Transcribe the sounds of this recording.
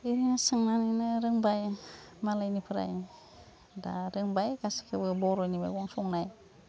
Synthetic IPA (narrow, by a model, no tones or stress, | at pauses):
iasaŋnaninaɾɯŋbajmalajnipʰəɾa̰j | da̰ɾɯŋbajkasi̥kʰəbəboɾojniba̰jwoŋsoŋnaj